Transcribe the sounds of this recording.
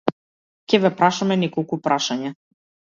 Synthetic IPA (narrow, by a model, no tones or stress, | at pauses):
cʲɛvɛpɾaʃamɛnɛkɔlˠkupɾʔaʃaɲa